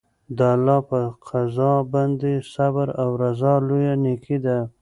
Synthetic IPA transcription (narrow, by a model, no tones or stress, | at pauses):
d̪aalːɑpəqʰazɑband̪esabaɾawɾazɑlojanekʰid̪a